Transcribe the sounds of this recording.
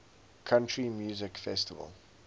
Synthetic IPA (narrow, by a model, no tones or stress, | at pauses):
kʰãntɹimjuːzɪkfɛstəvə̰lˠ